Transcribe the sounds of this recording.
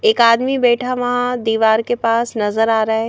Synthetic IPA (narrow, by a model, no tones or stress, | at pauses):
eːkaːd̪mibeːʈʰaʋɐɦãd̪iːʋaːɾkepaːsnɐzəɾaːɾaɦe